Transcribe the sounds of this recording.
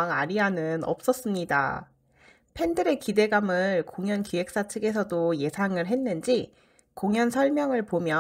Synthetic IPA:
ŋaɾianɯnʌ̰p̚s͈ʌs͈ɯmɲida̰ | pʰe̞ndɯɾe̞kide̞ɡamɯɭkoŋjʌnkie̞k̚s͈at͡ɕʰɯɡe̞sʰʌdoje̞sʰaŋɯɭɦe̞nːɯnd͡ʑi | koŋjʌnsʰʌɭmjʌŋɯɭpomjʌ

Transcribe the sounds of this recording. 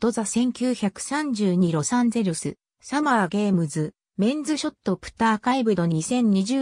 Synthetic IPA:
t̪o̞zasẽ̞ŋkʲɨːçakɯ̟̥sãɲ̟d͡ʑɨːɲ̟iɾo̞sãnd͡ze̞ɾɯsɨ | samaːɡe̞ːmɯ̟zɨ | mẽ̞nd͡zɨɕo̞t̪ːo̞pɯ̟̥t̪ːaːkaibɯ̟d̪o̞ɲɲisẽ̞ɲ̟ːiʑɨː

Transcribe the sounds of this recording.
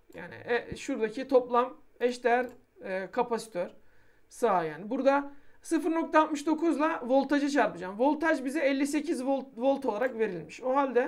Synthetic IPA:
ja̰ːnɪ̰ʔɛʃuɾd̪acʰit̪ʰo̞plˠam | ɛʃd̪ejæɾː | kʰapasi̥t̪ʰøɾ | saajaːnɪbuɾd̪asɯfɯɾno̞k̚t̪ʰaːlt̪̚mɯʃd̪o̞kʰuzlˠavo̞lˠt̪ʰad͡ʒat͡ʃʰaɾpɯd͡ʒamvo̞lˠt̪ʰaʒbizɛɛlʲːise̞cʰizvovo̞lˠt̪ʰo̞lˠaɾakve̞ɾilʲmiʃoɦalʲd̪ɛ

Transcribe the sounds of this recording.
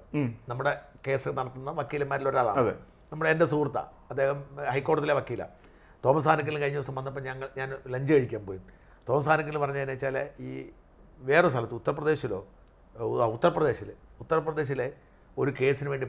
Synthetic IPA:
nɐmːuɽeke̞ːsnɐɽɐt̪ːunːɐʋɐkːiːlɐmːaːɾilo̞ɾaːɭa̰ːɳɐðḛ | nɐmːuɽeendesuːrt̪ːɐ̰ | ɐd̪ːeːhɐmhɐjkːoːʈɐðileʋɐkːiːlɐ̰ | t̪o̞ːmɐst̪aːnɐkʲːɐlkɐɻiɲːɐosɐmʋɐnːɐp̬ːɐɲɐŋːɐɭɲaːnlɐɲd͡ʑɐɣɐɻikʲːaːmpoːjim | t̪o̞ːmɐst̪ʰaːnɐkʲːɐlpɐrɐɲːainat͡ɕːaːleiː | ʋe̞ːres̬t̪ɐlɐt̪ːɨut̪ːɐrɐpːrɐd̪e̞ːɕilo̞̰ː | ut̪ːɐɾɐprɐd̪e̞ːɕilut̪ːɐrɐprɐd̪e̞ːɕ̬ile̞ | o̞ɾuke̞ːsinɨʋe̞ːɳɖi

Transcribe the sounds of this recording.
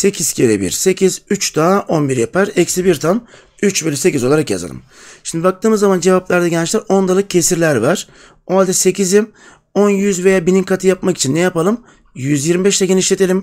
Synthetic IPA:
se̞cʰizcʰeɾɛ̰bḭɾse̞cʰizyt͡ʃd̪aʔonbiɾjapʰaɾɛcsibiɾt̪ʰan | yt͡ʃbelʲyse̞cizo̞lˠaɾakja̰za̰lˠɯ̰m | ʃimd̪ibak̚t̪ʰɯːmɯzːamand͡ʒe̞vaplʲˠaɾd̪ɛɟɛnt͡ʃlʲæɾo̞nd̪alˠɯk̚cʰːe̞siɾlʲæɾvaɾ̥ | oalʲd̪ɛse̞cizi | onjyzve̞jaːbinimkʰat̪ʰɯjapmaki̥t͡ʃʰinːɛjapalˠɯm | jyzjiɾmibɛʃt̪ʰɛɟeniʃlʲe̞t̪ʰelʲim

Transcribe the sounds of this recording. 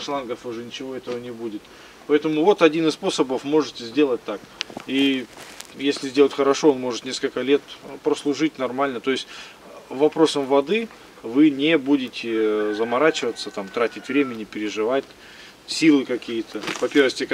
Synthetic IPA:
sˠanɡəfʊʐɛnʲɪt͡ɕɪvo̞ɛt̪əvənʲɪbudʲɪt̪ | pɐɛt̪əmʊvo̞t̪ɐdʲinɨsspo̞səbəfmo̞ʐɨtʲɪzʲdʲe̞lˠət̚ʲt̪ːaki | jesʲlʲɪzʲdʲelˠətʲxəɾɐʂo̞onmo̞ʐɨt̪nʲe̞skəlʲkəlʲe̞t̪pɾəslˠʊʐɨtʲnɐrmalʲnət̪o̞ɪsʲtʲ | vɐpɾo̞səmvɐd̪ɨ | vɨnʲɪbudʲɪtʲɪzəmɐɾat͡ɕɪvət̪sət̪amt̪ɾatʲɪtʲvɾʲemʲɪnʲɪpʲɪɾʲɪʐɨvatʲ | sʲilˠɨkɐkʲijɪt̪ʰəvɐpʲervɨxtʲɪ

